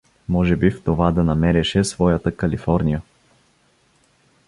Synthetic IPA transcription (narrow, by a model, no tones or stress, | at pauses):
mɔʒɛbift̪ovad̪ɐnɐmɛɾɛʃɛsvɔjət̪əkɐlifɔɾnʲijə